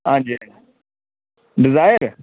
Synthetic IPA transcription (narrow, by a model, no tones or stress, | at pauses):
ãːd͡ʒe | ɖɪzaːjəɾ